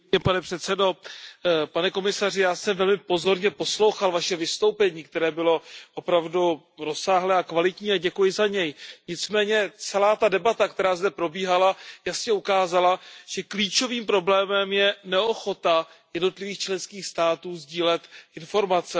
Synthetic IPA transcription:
ɛpanɛpr̥ɛt̪sɛdo̞ | panɛko̞mɪsar̝ɪjaːsɛmvɛlmɪpo̞zo̞ɾɲɛpo̞slowxalvaʃɛvɪst̪o̞wpɛɲiːk̚t̪ɛɾɛːbɪlo̞ʔo̞pɾavdu | ɾo̞saːɦlɛːakvalɪt̪ɲiːaɟɛkujɪzaɲɛjɲɪt͡smɛːɲɛt͡sɛlaːt̪adɛbat̪ak̚t̪ɛɾaːzdɛpɾo̞biːɦalajasɲɛukaːzalaʒ̥ɛkliːt͡ʃo̞viːmpɾo̞blɛːmɛmjɛnɛo̞xo̞t̪a | jɛdno̞t̪lɪviːxt͡ʃlɛnskiːxst̪aːt̪uːzɟiːlɛt̪ʔɪnfo̞ɾmat͡sɛ

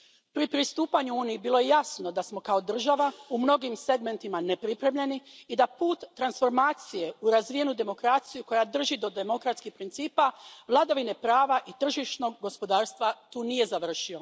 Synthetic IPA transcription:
pɾipɾist̪uːpaɲuuːnijibiːlo̞je̞jasno̞d̪asmo̞kao̞d̪r̩ʒaʋaumno̞ɡimse̞ɡme̞nt̪imane̞pɾipɾe̞mʎe̞niːd̪apuːt̪ːɾansfo̞ɾmaːt̪sije̞uɾazʋije̞nud̪e̞mo̞kɾat̪sijuko̞jad̪r̩ʒid̪o̞d̪e̞mo̞kɾat̪skixpɾint̪siːpaʋlˠad̪aʋine̞pɾaːʋaʔit̪r̩ʒiʃno̞ɡɡo̞spo̞d̪aːɾst̪ʋat̪uːnije̞zaʋr̩ʃio̞

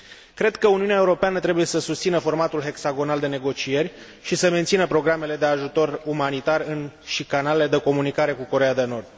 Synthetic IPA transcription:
kɾe̞d̪kəuniuneaeuɾo̞peanət̪ɾe̞buje̞səsust̪sinəfo̞rmat̪ulɦe̞ksaɡo̞nald̪e̞ne̞ɡo̞t͡ʃije̞rʲ | ʃisəment̪sinəpɾo̞ɡɾamele̞d̪e̞aʒut̪o̞rumanit̪arɨnʃikanale̞le̞d̪e̞ko̞munikaɾe̞kuko̞ɾe̞jad̪e̞no̞rd̪̥

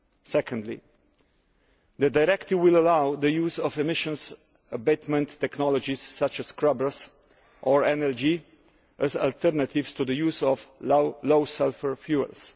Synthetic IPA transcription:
sɛkʰə̃ndlḭ | d̪ədajɾɛkt̪ɪvwɪləlawðəjuzɔvɛmɪʃə̃ns | əbet̪mə̃ntʰːɛknɔlɔd͡ʒisːat͡ʃəskʰɹʌbə˞s | ʔɔɹɛnɛld͡ʒi | ʔəza̰lt̪ʰɛɾnət̪ʰɪvst̪ud̪əjuːzɔvloʊsɛlfəɹfjuə̰ls

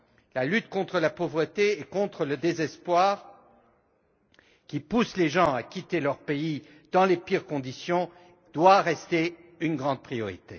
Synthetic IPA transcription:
lalyt̪kɔ̃t̪χəlapovʁət̪eːkɔ̃t̪χələd̪ezɛspwaːʁ | kʲipusleʒɑ̃akʲit̪elœʁpei | d̪̥ɑ̃lepiʁkɔ̃d̪isjɔ̃ | d̪̥waʁɛst̪eynɡʁɑ̃d̪̚pχijɔʁḭt̪ḛ

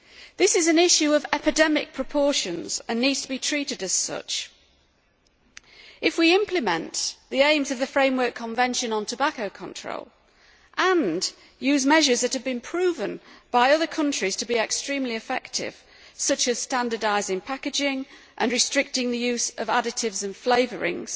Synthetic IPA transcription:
ðɪsɪzɨ̃nɪʃʉəvɛpɨdɛmɪ̰k̚pʰɹ̥əpʰɔɹʃə̃nz̥ə̃nːidz̥tʰəbitʰɹ̥iˑɾɨdɨz̥sʌ̰t͡ʃ | ɪfwiɪ̃mpʰlɨmə̃nðiẽɪ̃mzəvðəfɹẽɪ̃mwɜ˞kʰːə̃ɱvɛ̃nʃə̃nə̃ntʰəbakoʊkʰə̃ntʰɹ̥o̰ʊlˠ | ʔə̃n | jʉːzmɛʒəzðɨthɨvbɨ̃npʰɹ̥ʉːvə̃nb̥aɪʌðə˞kʰʌ̃nt͡ʃɹ̥iz̥tʰəbiɛkstɹ̥ĩmliɨfɛ̰k̚tɪ̰v̥ | sʌt͡ʃɨz̥stãndə˞daɪzɪ̃ŋpʰakɨd͡ʒɪ̃ŋ | ʔə̃nɹɨstɹ̥ɪk̚tɪ̃ŋðɨjʉzəvadɨtɪvzə̃nfleɪvəɹɪ̰̃ŋz̥

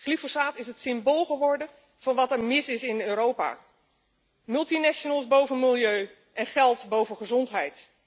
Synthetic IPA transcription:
χlifosaːtɪsɦətsɪmboːlˠχəʋɔɹdə | v̥ɑnʋɑtɛɹmɪsɪsɪnøːɾowpa̰ː | mɵlˠtinɛʃonəlˠsbowvənmɪlˠjøɥ | ʔɛnχɛlˠtbowvənχəzɔntɦɛjt

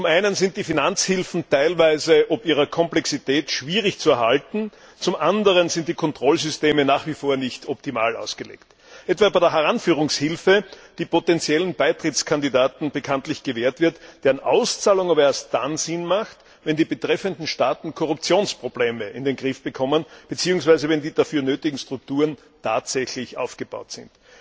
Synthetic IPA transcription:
t͡sʊmʔæɪnənzɪnt̚d̥iːfinant͡shɪlfn̩tæɪlvæɪzəʔɔpiːʁɐkʰɔmplɛksitɛːtʃv̥iːʁɪçt͡suɐhaltn̩ | t͡sʊmʔandəʁənzɪ̃ntd̥iːkʰɔntʁ̥ɔlzʏsteːmənaːχv̥ifoːɐnɪçtʰɔptima̰ːla̰ʊsɡ̥əlḛːkt | ʔɛtv̥aːbæɪdːɐɦɛʁanfyːʁ̞ʊŋshɪlfəd̥iːpotɛnt͡sjɛlən̩baɪtʁ̥ɪtt͡skʰandidaːtn̩b̥əkʰãntlɪçɡ̥əveːɐtv̥ɪɐtd̥eːɐnʔa̰ʊst͡saːlʊŋaːbɐeːɐst̚d̥anzɪnmaxt | vɛndiːbətʁ̥ɛfəndn̩ʃtaːtn̩kʰɔʁʊp̚t͡sjoːnspʁ̥obleːməʔɪndenɡʁɪfb̥əkʰɔmənb̥ət͡siːʊŋsv̥aɪzəvɛndiːdafyːɐnøːtɪɡŋ̩stʁ̥ʊk̚tuːʁən | tʰaːtz̥ɛçlɪçʔa̰ʊfɡ̥əb̥a̰ʊtz̥ɪ̰nt

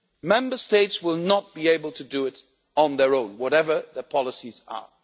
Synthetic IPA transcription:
mɛ̃mbə˞steɪtswɪlˠnət̚b̥ieɪbəlˠtʰɨdɨɪɾ | n̩ðə˞õʊ̃nwɔɾɛvə˞ðəpʰɑlˠəsizə̰

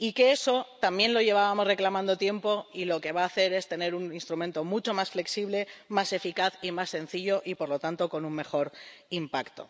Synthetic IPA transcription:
ike̞e̞so̞t̪ambje̞nlo̞ʝe̞β̞aβamo̞sre̞klamãnd̪ot̪je̞mpo̞ilo̞ke̞βaːθe̞ɾe̞st̪e̞ne̞ɾuninst̪ɾumẽnt̪omut͡ʃo̞masfle̞ksiβle̞mase̞fikaθimasːẽ̞n̟θiʎo̞ʔipo̞ɾlo̞t̪ant̪o̞ko̞nuŋme̞xo̞ɾimpakt̪o̞̰

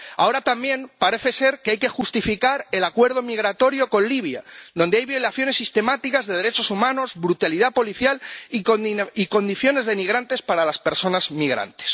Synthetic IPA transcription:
a̰o̞ɾat̪ambje̞mpaɾe̞θe̞se̞ɾkeajke̞xust̪ifikaɾe̞lakwe̞ɾð̞o̞miɣ̞ɾat̪o̞ɾjo̞ko̞nliβ̞ja̰d̪ond̪eajβjo̞laθjo̞nesːist̪e̞mat̪ikazðe̞ðeɾe̞t͡ʃo̞sumãno̞zβɾut̪aliðapoliθjal | iko̞nd̪iθjo̞ne̞zðemiɣ̞ɾant̪e̞spaɾalaspe̞ɾso̞nazmiɣ̞ɾa̰nt̪e̥s

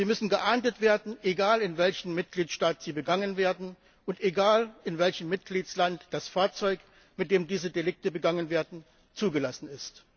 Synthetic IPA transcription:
ziːmʏsn̩ɡəʔaɐntətv̥eːɐdn̩ʔeɡaːlɪnvɛlçn̩mɪt̚ɡ̥liːtʃtaːtz̥iːbəɡaŋənveːɐdn̩ | ʔʊnteɡaːlɪnvɛlçəmmɪt̚ɡ̥liːtslantd̥asfaːɐt͡sɔʏk | mɪtd̥eːmdiːzədelɪk̚təbəɡaŋənveːɐdn̩ | t͡suːɡəlasn̩ɪst

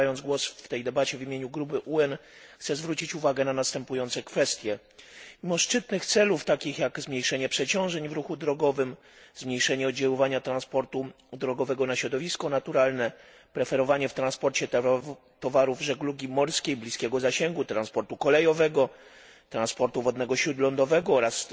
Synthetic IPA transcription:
jɔnd̪zɡwɔsft̪ɛjd̪ɛbat͡ɕɛvʲimʲeɲuɡɾupɘʔuɛnxt̪sɛzvɾut͡ɕit͡ɕuvaɡɛnanast̪ɛmpujɔnt̪sɛkfɛst̪ʲjɛ | mʲimɔʂt͡ʂɘt̪nɘxt̪sɛluft̪akʲixjaɡzmɲejʂɛɲɛpʂɛt͡ɕɔ̃w̃ʐɛɲvɾuxud̪ɾɔɡɔvɘm | zmɲejʂɛɲɛɔd̪̚d͡ʑawɔvaɲat̪ɾanspɔɾt̪u | d̪ɾɔɡɔvɛɡɔnaɕɾɔd̪ɔvʲiskɔnat̪uɾalnɛ | pɾɛfɛɾɔvaɲɛft̪ɾanspɔɾt͡ɕɛ | t̪ɔvaɾuvʐɛɡluɡʲimɔɾskʲejblʲiskʲɛɡɔzaɕɛŋɡut̪ɾanspɔɾt̪ukɔlɛjɔvɛɡɔ | t̪ɾãnspɔɾt̪uvɔd̪nɛɡɔɕɾud̪lɔnd̪ɔvɛɡɔɔɾas

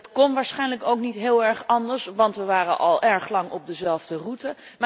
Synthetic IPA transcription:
tkɔnʋaːɹsχɛjnləkowknitɦɪːlˠɛɹχɑndəɹsʋɑntʋəʋaːrənʔɑlˠʔɛɹχlɑŋɔb̚dəzɛlˠvdərutə | m

